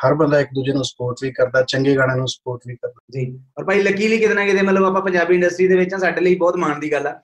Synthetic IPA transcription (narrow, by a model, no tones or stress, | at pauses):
həɾbənd̪aːɪk̚d̪uːd͡ʒeːnũːsə̥poːɾʈliːkəɾd̪aːt͡ʃəŋɡeːɡaːɽ̃eːnũːsə̥poːɾʈniːkəɾd̪aːd͡ʒiːɔːɾpaːiːləkːiːliːkɪt̪enãːkɪt̪eːmət̪ləbaːpãːpəɲd͡ʒaːbiːɪ̃ɳɖəsʈɾiːd̪eːʋɪt͡ʃãːsaːɖeːləiːbɔːt̪maːɳd̪iːɡəlːɛː